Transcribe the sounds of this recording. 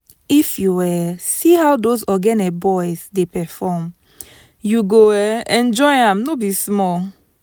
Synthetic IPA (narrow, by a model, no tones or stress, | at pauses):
ifjuwɛsihawdozɔɡɛnɛbɔɪzdepɛfɔm | juɡoɛɛ̃nd͡ʒɔɪãmnobismɔl